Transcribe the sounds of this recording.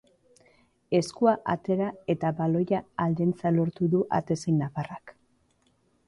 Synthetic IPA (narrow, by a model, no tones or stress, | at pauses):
e̞skuaʔa̰t̪e̞ɾae̞t̪aβalo̞jaːld̪e̞nt͡salo̞ɾt̪uðuʔa̰t̪e̞sejnafarak